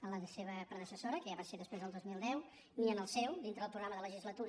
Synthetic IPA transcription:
ələðəseβəpɾəðəsəsoɾəkəʒaβaseðəspɾezðəlˠd̪ozmilˠd̪ɛw | niənəlˠsɛwd̪int̪ɾəðəpɾuɣɾaməðələʒizlət̪uɾ

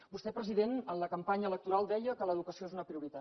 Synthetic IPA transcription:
bust̪ɛpɾəziðenənləkəmpaɲəələk̚t̪uɾalˠd̪ɛjəkələðukəsioezunəpɾiuɾit̪a

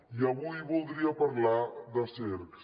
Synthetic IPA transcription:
iɐβujβulˠd̪ɾiɐpɐɾlaðəseɾks

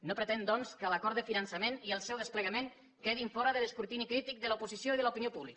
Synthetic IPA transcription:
nopɾət̪ɛnd̪ɔnskəlakɔɾt̪əfinənsəmeniəlˠsɛwðəspləɣamen | keðiɱfɔɾəðəðəskuɾt̪inikɾit̪ik̚d̪əlupuzisjoiðələupiniopuβlik

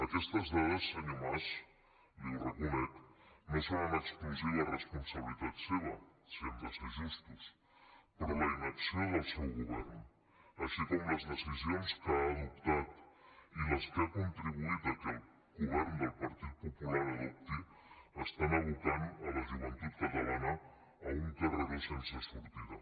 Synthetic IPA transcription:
akest̪azðaðasanimas | ireɣumet̪nesaanakspos̬ejaresponsaβiliðat̪seðasend̪asesist̪es | pɾomajnaseðelsewɣoβeɾno | asikomlaznesis̬joneskaːðopt̪at̪ilaskakont̪ɾiβuit̪akal | ɣoβeɾnod̪elpaɾt̪iðopopulaɾaðop̚t̪e | ast̪anaβut̪aɾalaʒuβant̪it̪̚kat̪aβana | aunt̪ereɾesensestuɾt̪iða

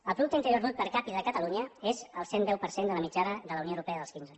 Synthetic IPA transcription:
əlˠpɾuðukt̪əint̪əɾjoɾmot̪̚pəɾkapiðəkət̪əluɲəezəlˠsend̪ɛwpəɾsend̪ələmid͡ʒaɾəðələwnioəwɾupɛəðəlˠskinzə

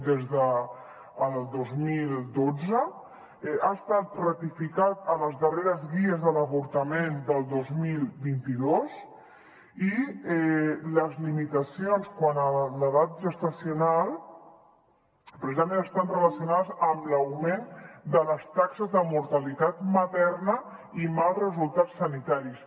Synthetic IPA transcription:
d̪ezðəː | lˠd̪ozmilˠd̪od͡zə | ast̪at̪̚rət̪ifikat̪ələzðəreɾəzɣiəzðələβuɾt̪əmend̪əlˠd̪ozmilˠbint̪iðos | iɛləzlimit̪əsijonskwanələðat̪̚ʒəst̪əsiunalˠ | pɾəsizəmẽnəst̪anrələsiunaðəzəmləwmend̪ələst̪aksəzðəmuɾt̪əlit̪at̪mət̪ɛɾnəimalzrəzulˠt̪at͡sːənit̪aɾis

